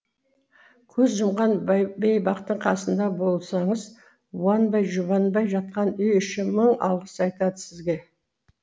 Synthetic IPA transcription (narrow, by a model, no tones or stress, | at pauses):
kʲʰɵzʒəmʁɑnbejbɑqt̪əɴqʰɑsənd̪ɑbo̞lˠsɑɴəz | wɑnbɑjʒʊβɑnbɑjʒɑt̪̚qɑnʏjʏʃɪməɴɑ̰lˠʁəsɑjt̪ɑd̪əsɪzɡʲe̞